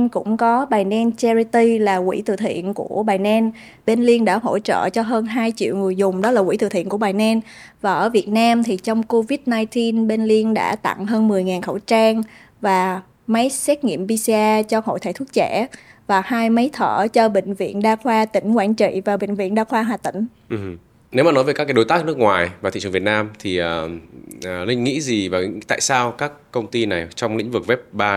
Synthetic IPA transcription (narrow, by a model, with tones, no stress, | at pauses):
nkʊ̰˧˥ŋ͡mkɔ˨˦ɓaː˨˩jnɛ˧nt͡ɕɛ˧ɾi˧t̪i˧laː˨˩kwḭ˧˩t̪ɨ̰˧˨t̪ʰḭ˧˨ənku˧˩əɓaː˨˩jnɛ˧n | ɓe˧nli˧ənɗa̰ː˧˥ɦo̰˧˥t͡ɕə̰ː˧˨t͡ɕɔ˧ɦəː˧nɦaː˧jt͡ɕḭ˧˨əwŋɨ˨˩əjzʊ˨˩ŋ͡mɗɔ˨˦laː˨˩kwi˧˩t̪ɨ˧˨˩t̪ʰi˧˨ənku˧˩əɓaː˨˩jnɛ˧n | vaː˨˩ʔəː˧˩vi˨˩ət̚naː˧mt̪ʰi˨˩t͡ɕɔ˧wŋ͡mko˧vi˦˥t̚naː˧jt̪i˧nɓe˧nli˧ənɗa̰ː˧˥t̪a̰˧˨ŋɦəː˧nmɨ˨˩əjŋaː˨˩nxə˧˩wt͡ɕaː˧ŋ | vaː˨˩ | mə˨˦jsɛ˦˥t̚ŋḭ˧˨əmɓi˧si˧aː˧t͡ɕɔ˧ho̰˧˨jt̪ʰaː˨˩t̪ʰu˦˥ək̚t͡ɕɛ˧˩vaː˨˩haː˧jmə˨˦jt̪ʰəː˧˩t͡ɕɔ˧ɓḛ˧˨ŋ̟vḭ˧˨ənɗaː˧xwaː˧t̪ï˧˩ŋ̟kwaː˧˩nt͡ɕḭ˧˨vaː˨˩ɓḛ˧˨ŋ̟vḭ˧˨ənɗaː˧xwaː˧ɦwaː˨˩t̪ï˧˩ŋ̟ | ʔ̩˨˩ | ne˨˦wmaː˨˩o˨˦jvə˨˩kːa˦˥kːaː˨˦jo˨˦jt̪aː˦˥k̚nɨ˦˥ək̚ŋwaː˨˩jvaː˨˩ḭ˧˨t͡ɕɨ˨˩˨vt̚naː˧mt̪ʰi˨˩ʔəː˨˩˨ | lï˧ŋ̟ŋḭ˧˥zi˨˩vaː˨˩t̪a̰ː˧˨jsaː˧wkaː˦˥kːə˧wŋ͡mt̪i˧na˨˩jt͡ɕɔ˧wŋ͡mlḭ˧˥ŋ̟vɨ˨˩k̚vɛ˦˥p̚ɓaː˧